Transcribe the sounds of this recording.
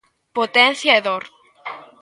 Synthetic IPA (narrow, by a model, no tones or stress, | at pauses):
pot̪en̟θjaeðoɾ